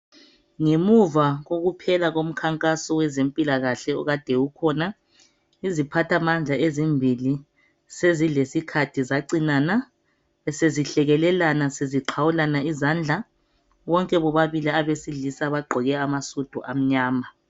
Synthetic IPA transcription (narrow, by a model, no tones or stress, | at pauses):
ŋemuvaɣoɣupʰɛlaɣom̩kʰaŋkʼasɔwɛzempʼilaɣaɬɛɔ̰ɣad̥ʱɛwukʰɔna | izipʰatʰamand͡ɮʱaʔezimbʱili | sezilesikʰatʰizaǀinana | ɛseziɬɛɣɛlɛlanaseziǃʰawulanaizand͡ɮʱa | wɔŋkʼɛβɔβaβiliaβesiɮisaβaɡ͡ǃʱɔɣɛamasud̥ʱɔ̰ʔam̩ɲaːma